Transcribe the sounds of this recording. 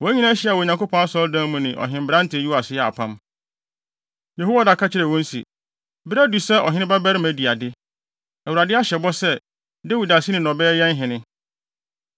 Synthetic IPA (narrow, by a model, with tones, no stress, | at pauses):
wɔ˨æ˦ɲĩ˦nã˦ɕi˦a˨wɔ˨ɲã˨kʰo˦pʰɔ̃˦a˦sɔ˦ldãː˦mũ˨nɪ̃˨ʔɔ̰˨ɦɪ̃˨m̩˨bɪɾã˦n̩˦tʰɪ˨ju˦a˨sɪ˦jɛ˨a̰˨pʰã˦m | je˨ɦo˦wa˦da˨kʰa˦t͡ɕʰɪ˦ɾɛ˨wɔ̃˦n˦sḭ˨ | bɾæ˦du˨sɛ˦ʔɔ̰˨ɦɪ̃˦nɪ̃˦ba˦bæ˦ɾɪ˦mæ˨di˨a˨dɪ˦ | æ˨u˨ɾa˨dɪ˦a˦ɕɛ˨bɔ˦sɛ˦ | de˦wi˨da˨si˦nɪ̃˨nɔ̃˨bɛː˦jɛ̃˦n˦ɦɪ̃˨nɪ̃˦